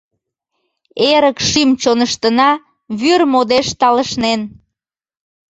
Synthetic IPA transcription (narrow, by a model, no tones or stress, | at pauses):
eɾəkʃimt͡ɕonəʃt̪ənɑ | βyrmod̪eʃt̪ɑləʃnen